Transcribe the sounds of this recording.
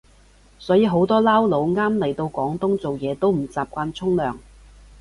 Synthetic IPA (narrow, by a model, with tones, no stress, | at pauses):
sɔː˨˥jiː˧ɦo˨˥wt̪ɔː˥laː˥wlo˨˧wŋaː˥mlɐ˨˩jt̪o˧wkʷɔː˨˥ŋt̪ʊ˥ŋt͡so˨wjɛː˨˧t̪o˥wm̩˨˩t͡saː˨p̚kʷaː˧nt͡sʰʊ˥ŋlœː˨ŋ